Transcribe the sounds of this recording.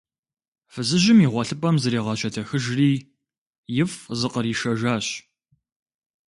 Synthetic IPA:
fɨzɨʑɪmiːʁʷɔɬɨpʼɐmzɐɾiːʁɐɕʼɐtʰɐxɨʒriː | jɪfzɨqəɾiːʃɐʒaːɕ

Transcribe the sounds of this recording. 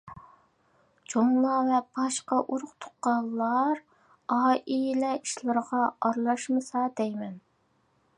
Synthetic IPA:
t͡ʃʰoŋlˠɑvɛb̥ɑʃqɑʔuɾʊqt̪ʰo̥qːɑlˠːɑɾ | ɑːʔilɛiʃlˠɨɾʁɑɑɾlˠɑʃmɨsɑd̪ɛjmɛn

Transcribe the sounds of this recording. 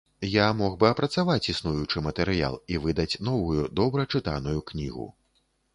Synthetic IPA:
jamɔɣbɨɐpɾɐt̪savat͡sʲisnujut͡ʂɨmɐt̪ɛɾɨja̰lˠivɨd̪ɐt͡sʲn̪ɔvujud̪ɔbɾɐt͡ʂɨt̪a̰nujuknʲḭɣṵ

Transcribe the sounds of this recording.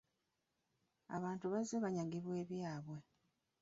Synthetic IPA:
aβaːntuβazeβaɲaŋɡiβwe̞ːβjaːβwe̞

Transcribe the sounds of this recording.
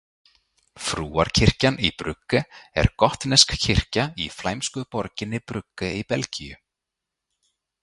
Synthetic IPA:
fɾuːa̰ɾcʰɪr̥canipɾʏkːʏɛ̰ɾ̥kɔht̪nɛskcʰɪr̥caiflaːjmskʏpɔɾcɪnːɪpɾʏkːʏipɛlcijʏ

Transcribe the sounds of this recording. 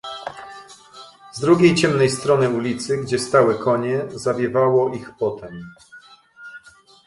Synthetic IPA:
zd̪ɾuɡʲejt͡ɕɛmnɛjst̪ɾɔnɘulʲit̪sɘɡd͡ʑɛst̪awɛkʰɔɲɛzavʲjɛvawɔʔixpɔt̪ɛm

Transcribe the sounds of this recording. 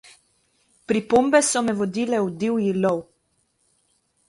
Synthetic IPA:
pɾipombɛsɔmɛʋɔd̪iːlɛud̪iwjilɔw

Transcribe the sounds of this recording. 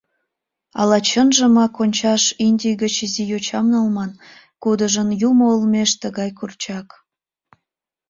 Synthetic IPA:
ɑ̰lɑt͡ɕənʒəmɑkonʲt͡ɕɑʃinʲdʲijɣət͡ɕizijot͡ɕɑmnɑlmɑn | kud̪əʒənjumoːlmeʃt̪əɣɑjkurt͡ɕɑk

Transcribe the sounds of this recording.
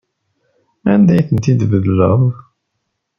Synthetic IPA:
ænd̪æjθənt̪id̪vəlːə̰ðˤ

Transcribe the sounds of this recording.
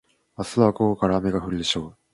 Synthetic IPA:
asɨβakokokaɾaːme̞ɡaɸɯ̟ɾid̪eɕo̞ː

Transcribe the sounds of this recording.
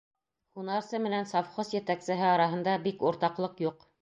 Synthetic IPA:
χunɑɾsɤmɘ̆nænsɑfχosjɘ̆t̪æksɘ̆ɦɘɑɾɑɦɤ̆nd̪ɑbikuɾt̪ɑqlˠɤqjuq

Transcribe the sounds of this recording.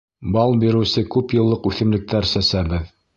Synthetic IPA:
bɑlˠbiɾɘ̆wsɘkʉpjɤ̆lˠːɤqʉθɘ̆mlɘ̆k̚t̪æɾsæsæbɘð

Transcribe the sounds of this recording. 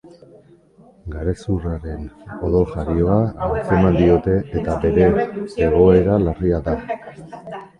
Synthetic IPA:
ɡaɾesuraɾe̞no̞ðo̞ʝaɾio̞aalt͡semand̪io̞t̪e̞ʔet̪abe̞ɾe̞ːɣ̞o̞e̞ɾalariad̪a

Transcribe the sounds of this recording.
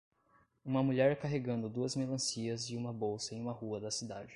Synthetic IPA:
ũmɐmuʎɛɾkaɦeɡɐ̃nd̪ʊd̪uɐzmelɐ̃siɐzɪũmɐbowsɐẽj̃ũmɐhuɐd̪ɐsid̪ad͡ʒɪ

